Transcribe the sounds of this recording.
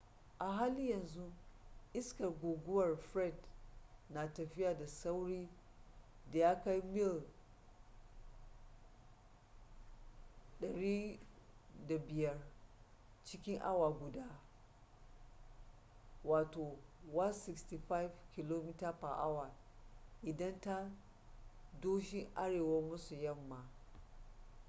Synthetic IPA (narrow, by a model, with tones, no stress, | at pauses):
ʔa˨ɦa˦li˦jɐ˨nzu˦ʔɪ˦skɐ˨rɡʷoː˨ɡʷʊ˦wɐ˨rɸɾɛ˦˨dna˨tɐ˨ɸɪ˦ja˨da˨sa˦wɽiː˦ | da˨ja˦ka˦jmɪ˦l | ɗɐ˨ɽiː˦ | da˨bɪ˨jɐ˦r | t͡ʃɪ˦kʲɪ˦ŋʔa̰˦wa˨ɡʷʊ˨daː˦ | waː˨toː˨wa˦nsɪ˨ksti˨ɸa˦jfkʲɪ˨lo˦mi˦ta˦pa˨ʔa˦wa˨ | ʔɪ˨dɐ˦nta˦ | doː˦ʃɪ˦ŋʔa˦ɽeː˨wa˦mʊ˦su˨jɐ˦mːa˨